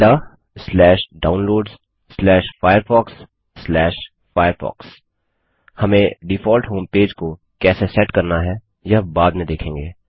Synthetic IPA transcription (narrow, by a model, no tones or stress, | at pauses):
t̪a | slɛːʃɖaːʊnloːɖzː | lɛːʃfaːjəɾfɔːksː | lɛːʃ | faːjəɾfɔ̰ːks | hɐmẽɖɪfʰɔːlʈɦõːmpeːd͡ʒko | kɛːsesɛʈkɐɾnaɦɛ | jɐɦbaːd̪mẽd̪eːkʰẽːŋɡeː